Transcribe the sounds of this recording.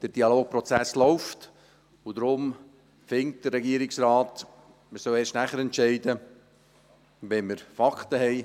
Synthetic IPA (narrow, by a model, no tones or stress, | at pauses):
d̥əɾd̥iɑloːk̚pɾɔt͡sæslɔʊft | ʊdɾʊm | fɪŋ̚t̚d̥ərɾɛɡiəɾɪksɾaːt | məsœweːʃtnæχəɾɛntt͡ʃɛɪdə | ʋɛməɾfɑkʰtəɦɛɪ